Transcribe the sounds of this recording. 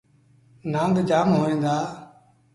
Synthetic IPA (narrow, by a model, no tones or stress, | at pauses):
nãːnɡ̪d͡ʒaːmɦoːẽːnd̪aː